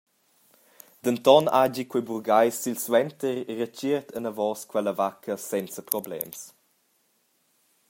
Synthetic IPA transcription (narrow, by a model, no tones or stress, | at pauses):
d̪̥ənt̪ɔna̰d͡ʒikweburɡajsilswɛnt̪əɾːət͡ʃirt̪ʰənəvɔːskwɛləvakʰəsɛnt͡səpɾɔblɛ̰ms